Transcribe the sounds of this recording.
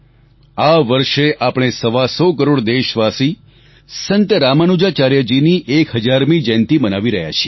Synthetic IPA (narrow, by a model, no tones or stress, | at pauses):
aʋəɾʃeʔapɳ̃esəʋasɔkəɾoɽd̪eʃʋasi | sənt̪ɾamanud͡ʒat͡ʃaɾjəd͡ʒiniʔekɦəd͡ʒaɾmid͡ʒɛnt̪imənaʋiɾəɦja̰t͡ʃʰie